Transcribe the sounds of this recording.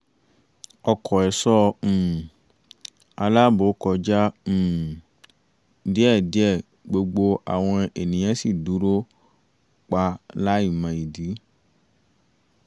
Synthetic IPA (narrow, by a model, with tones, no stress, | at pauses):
ɔ˧kʰɔ˨ɛ˨sɔ̃˦˨ | a˧la˦bo˨˦kɔ˧d͡ʒa˦˨ | di˦ɛ˦˨di˨˦ɛ˦˨ | ɡ͡bo˧ɡ͡bo˧a̰˨w̃ɔ̃˧e˨nĩ˨j̃ã˨˦si˦˨du˨˦ɾo˦ | k͡pa˧˦la˦i˦˨mã˧i˨di˨˦